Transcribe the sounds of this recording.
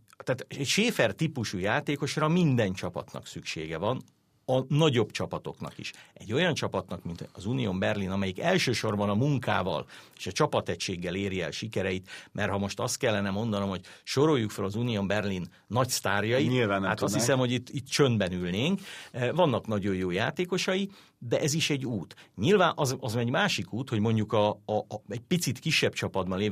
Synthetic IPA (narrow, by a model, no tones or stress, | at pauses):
t̪aːt̪ɛcʃeːfɛrt̪ipuʃujaːt̪eːko̞ʃrɒmind̪ɛnt͡ʃɒpɒ̰t̪nɒ̰ksykʃḛːɡɛvɒn | ɒnɒɟo̞bt͡ʃɒpɒt̪o̞knɒ̰kḭʃɛɟːo̞jɒnt͡ʃɒpɒt̪nɒkmint̪ɒzuːnijombɛrlinɒmɛjikɛlʃøːʃo̞rbɒnɒmuŋka̰ːvɒ̰le̥ːʃɒt͡ʃɒpɒt̪ɛcʃeːɡːɛleːɾiɛ̰lʃikɛɾɛjit̪mʔɛrɦɒmo̞ʃt̪ɒst̪̚kɛlːɛnɛmo̞nd̪ɒno̞mho̞ɟʃoɾo̞jːukfølɒzuːniombɛrlinːɒcst̪aːrjɒjiiaaːt̪ɒshissɛmho̞ɟit̪ːit̪ːt͡ʃønd̪bɛnylneːŋkvɒnːɒknɒɟo̞jːoːjaːt̪eːko̞ʃɒji | d̪ɛʔɛziʃɛɟːuːt̪ɲilvaːnʔɒzɒzmɛɟmaːʃikuːt̪ho̞ɟmo̞ɲɟukɒɛɟ̚pit̪sit̪kiʃːɛbt͡ʃɒpɒd̪bɒneː